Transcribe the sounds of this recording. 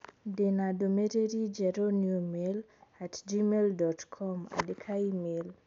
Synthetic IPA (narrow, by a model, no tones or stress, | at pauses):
denadomeɾeɾid͡ʒɛɾonjomel | atd͡ʒimeldɔtkʰɔma̰dekʰaimel